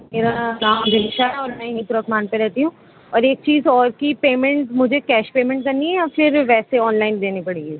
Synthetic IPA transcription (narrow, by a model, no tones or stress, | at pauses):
meːɾanãːmd̪ɪʃaɦɛɔːɾmɛ̃ɦĩːt̪ʊɾəkmaːnpeɾɛɦt̪iɦũː | ɔːɾeːk̚t͡ʃiːzɔːɾkipeːmɛ̃ɳʈmʊd͡ʒʱekɛːʃpeːmɛ̃ɳʈ̚kɐɾniɦɛjafɪɾʋɛːseɔːnlaːɪnd̪eːnipɐɽeːɡɛː